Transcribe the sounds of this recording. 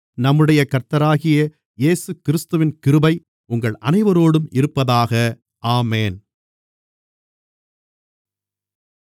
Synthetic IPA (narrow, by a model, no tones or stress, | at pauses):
nɐmːɯɽɐjɐkɐɾt̪ɐɾaːɣɪjɐ | jeːsɯkɪɾɯst̪ɯʋɪnkɪɾɯbɐɪ | ʊŋɡɐɭɐ̰nɐɪʋɐɾoːɽɯmɪɾɯpːɐðaːɣɐ | aːmeːn